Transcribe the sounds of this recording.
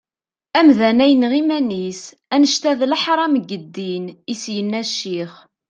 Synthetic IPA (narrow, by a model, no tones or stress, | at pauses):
æmðænæjənʁimænis | ænəʃt̪æðləħɾˤɑməɡːəd̪ːinisjənːæʃːiχ